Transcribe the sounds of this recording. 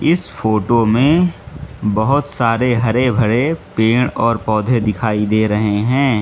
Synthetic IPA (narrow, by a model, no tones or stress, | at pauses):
ɪsfoːʈomẽ | bɐɦʊt̪saːɾeɦɐɾebʱɐɽepeːɽ̃ɔːɾpɔːd̪ʱed̪ɪkʰaːid̪eːɾɐɦeɦɛ̃ː